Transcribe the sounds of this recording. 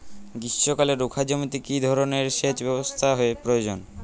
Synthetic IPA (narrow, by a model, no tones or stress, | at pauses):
ɡiokaleɾukʰad͡ʑomit̪ikid̪ʱɔɾoneɾʃet͡ɕbɛbost̪ʰaɦoepɾojod͡ʑon